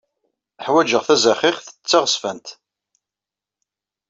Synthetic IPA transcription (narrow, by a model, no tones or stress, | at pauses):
əħwæd͡ʒəʁθæzæχɪχθə̥t͡sːaʁəsfænt̪